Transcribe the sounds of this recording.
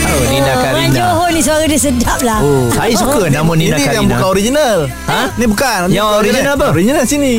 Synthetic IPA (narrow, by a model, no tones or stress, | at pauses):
aiakamaɲd͡ʒoɦɔnĩsəaɾadiəsədap̚laosaisukənamonidijaŋbukanoɾid͡ʒinal | ã | nibukanaɾiinalpəɾid͡ʒinalsini